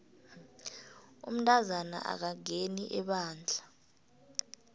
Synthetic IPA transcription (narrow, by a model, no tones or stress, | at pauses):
ṵm̩ntʼazana̰ʔa̰k̬aŋeniʔɛɓaːnd͡ɮʱa